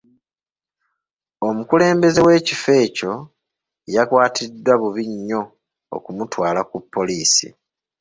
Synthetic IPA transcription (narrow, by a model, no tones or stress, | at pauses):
o̞mukule̞ːmbe̞ze̞we̞ːcife̞ːco̞ | jakwaːtʰidːwaβuβiɲːo̞ | o̰kumutwaːlakupʰːo̞liːsḭ